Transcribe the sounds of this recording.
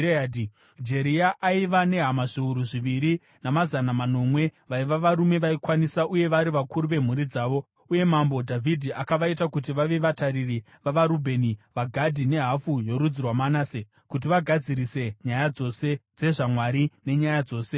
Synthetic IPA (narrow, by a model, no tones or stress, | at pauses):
di | d͡ʒe̞ɾiaʔaiʋane̞ɦamaʐiuɾuʐiʋiɾi | namazanamano̞mwe̞ʋaiʋaʋaɾume̞ʋaikwanisaʔuje̞ʋaɾiʋakuɾuʋe̞m̤uɾid͡zaːʋo̞ | uje̞mambo̞dʱavʱidʱiʔakaʋaitakut̬iʋaʋe̞ʋataɾiri | ʋaʋaɾubʱe̞niʋaɡʱadʱine̞ɦafujo̞ɾud͡zirwamanase | kut̬iʋaɡʱad͡ziɾise̞ɲajad͡zo̞se̞d͡ze̞ʐamwaɾine̞ɲajad͡zo̞ːse̞